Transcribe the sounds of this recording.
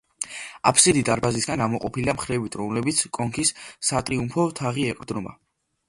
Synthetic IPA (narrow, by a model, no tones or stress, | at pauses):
a̰pʰsid̪id̪aɾbazisɡanɡamɔqʼɔpʰiliamχɾɛvit̪ʰɾɔmlɛbit̪sʰkʼɔŋkʰissat̪ʼɾiumpʰɔt̪ʰaʁiɛqʼɾd̪nɔma̰